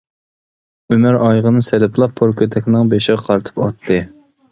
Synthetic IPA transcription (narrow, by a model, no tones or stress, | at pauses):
ymæɾɑjʁənɨselɪpʰlˠɑpʰːoɾkʲʰøt̪ʰɛkʲnɨŋbeʃɪʁɑqʰɑɾt̪ʰɨ̥pɑt̪ʰːɨ